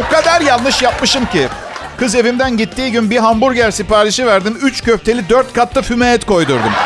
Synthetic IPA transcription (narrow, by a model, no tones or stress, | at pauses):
bukad̪aɾjalˠnɯʃjap̚mɯʃɯmci | kʰɯze̞vimd̪ænɟit̪ʰːiːɟynbiɦambuɾɟæɾsipaːɾiʃivæɾd̪imyt͡ʃcøft̪ʰe̞lʲid̪øɾt̪̚kʰat̪ʰlːˠafymeɛt̪ko̞jd̪uɾd̪um